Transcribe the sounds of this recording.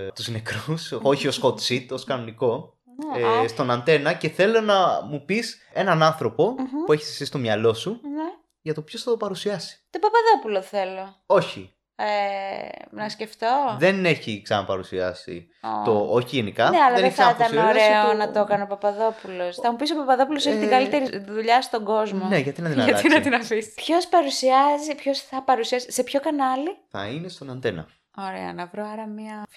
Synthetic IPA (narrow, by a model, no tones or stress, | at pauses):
t̪uznekɾuso̞çio̞skot̪sit̪o̞skɐno̞niko̞ | est̪o̞nɐnt̪e̞nɐce̞θe̞lo̞nɐmupis | e̞nɐnɐnθɾo̞po̞ue̞çi̥sɐ̥sist̪o̞mɲɐlo̞sune | ʝɐt̪o̞pçosθɐðopɐɾusiɐsi̥t̪opɐpɐðo̞puloθe̞lo̞ | o̞çi | e | nɐsce̞ft̪o̞ðe̞ne̞çiksɐnɐpɐɾusiɐ̰sḭ | o̰t̪ooçiʝenikɐneɐlɐðesɐt̪ɐnoɾe̞onɐt̪o̞kɐneopɐpɐðo̞pulo̞sθɐmupis̬opɐpɐðo̞pulos̬eçit̪ɡɐlit̪e̞ɾiðuʎɐst̪o̞ɡo̞zmoneʝɐt̪inɐt̪inɐt̪inɐt̪inɐfispço̞spɐɾusiɐzipço̞sθɐpɐɾusiɐsise̞pço̞kɐnɐliθɐ̰inest̪o̞nɐnd̪enɐ̰ | o̞ɾe̞̰ɐ̰nɐvɾoɐɾɐmiɐ